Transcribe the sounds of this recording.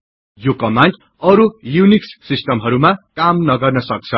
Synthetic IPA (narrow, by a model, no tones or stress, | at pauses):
jokʌmanʈ | ʌɾujuniksːisʈʌmɦʌɾumakamnʌɡʌrnʌsʌk̚t͡sʰʌ